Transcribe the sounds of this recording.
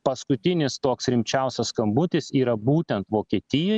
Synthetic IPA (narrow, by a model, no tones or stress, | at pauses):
pɐskʊt̪ʲɪnʲɪst̪oːksɾʲɪmʲt͡ʃʲɛˑʊsʲɐskɐmbʊt̪ʲɪsiːɾɐbuːt̪ʲɛnt̪ʋoːkʲiɛt̪ʲɪjoː